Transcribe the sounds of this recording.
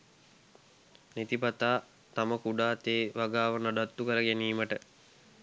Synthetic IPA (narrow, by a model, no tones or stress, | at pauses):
net̪ipat̪aː | t̪aməkuɖaːt̪eːʋaɡaːʋənaɖat̪ːukəɾəɡæniːməʈə